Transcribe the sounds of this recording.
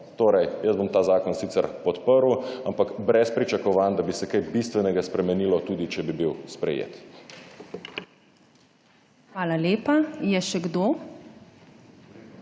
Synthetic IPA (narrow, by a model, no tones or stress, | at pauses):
t̪oːɾɛjjəzbomt̪aːzaːkɔnsiːt̪ɛɾpɔt̪pəɾwampakbɾɛspɾit͡ʃakɔʋaːnd̪abisɛkajbist̪ʋɛnɛɡaspɾɛmɛniːlɔt̪uːd̪it͡ʃɛbibiwspɾɛ̰jḛːt̪ | xʋaːlaleːpajɛʃɛɡd̪oː